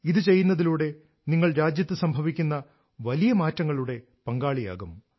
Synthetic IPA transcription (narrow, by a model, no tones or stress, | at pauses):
iðɨt͡ɕe̞jːunːɐðiluːɽe̞ | niŋːɐɭɾaːd͡ʑjɐt̪ːɨsɐmbʱɐʋikʲːunːɐ | ʋɐlijɐmaːtːɐŋːɐɭuɽe̞ | pɐŋɡaːɭija̰ːɣum